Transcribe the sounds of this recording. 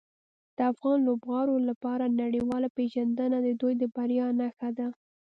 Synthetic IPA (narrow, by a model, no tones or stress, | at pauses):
d̪̥əafɣɑnlobɣɑɾolapɑɾanaɽiwɑlapeʒand̪ənad̪əd̪ujd̪əbaɾjɑnaxad̪a